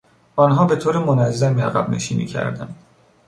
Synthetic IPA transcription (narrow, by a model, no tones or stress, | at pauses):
ʔɒnɦɒːbe̞t̪ʰoːɾemonæzːæmiæɣæ̰bne̞̰ʃiːnḭːcʰæ̰ɾd̪æ̰nd̪̥